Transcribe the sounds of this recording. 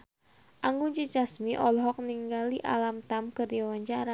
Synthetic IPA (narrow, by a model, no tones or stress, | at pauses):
ʔaŋɡuŋt͡ʃit͡ʃasmiʔɔlɦɔk̚niŋɡaliʔa̰lamt̪amkɨrdiwaɲt͡ʃaɾa